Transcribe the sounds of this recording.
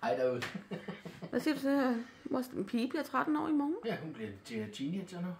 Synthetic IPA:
hɑɪdo | ʋæsiɐd̥usɒ | ʋɒspʰiːb̥liɐt͡sʰʁad̥n̩ɒ̰ːimɒːn̩jæɦunb̥liɐt͡sʰet͡sʰined͡ʒɐnə

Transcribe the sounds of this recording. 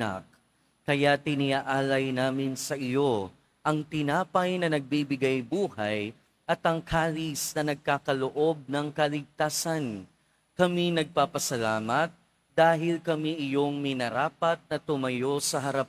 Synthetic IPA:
a̰k̚ | kɐjat̪ɪnɪaʔaːlɐjnaːmɪnsɐʔɪjo̞ | ʔɐŋt̪ɪnaːpɐjnɐnɐɡ̚bibɪɡajbuːhaj | ʔɐt̪ɐŋkʰaːlisnɐnɐɡ̚kaːkɐloʔo̞b̚nɐŋkɐlɪɡ̚t̪aːsɐn | kɐminɐɡ̚paːpɐsɐlaːmɐt̪̚ | d̪̥aːɦɪlkɐmiʔɪjo̞ŋmɪnɐɾaːpɐt̪̚nɐt̪ʊmɐjo̞sɐɦɐɾap̚

